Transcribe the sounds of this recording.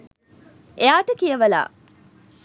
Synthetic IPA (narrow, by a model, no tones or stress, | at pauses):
eaːʈəkijəʋɐla̰ː